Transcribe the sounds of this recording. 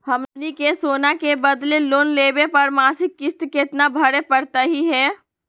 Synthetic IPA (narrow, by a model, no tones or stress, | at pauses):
hɐmnikesoːnakebɐd̪leloːnleːbepɐɾmaːsɪkːɪst̪kɪt̪nabʱɐɽepɐɾt̪aɦiɦɛː